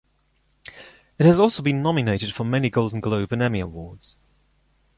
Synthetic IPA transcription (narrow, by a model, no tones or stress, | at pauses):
ɪt̚həzɔˑlˠsoʊbĩnːɒmɪneɪtɪd̥fɹə̃mːɛniɡoʊlˠdⁿn̩ɡləʊbə̃nɛmiəwɔːdz̥